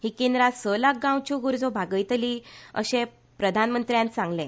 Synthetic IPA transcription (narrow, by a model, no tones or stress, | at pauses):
ɦiːkend̪ɾasəlak̚ɡãwt͡ɕuɡuɾd͡zobʱaɡəjt̪liːə̰ɕẽ | pɾəd̪ʱanmənt̪ɾjãnsãŋɡlẽ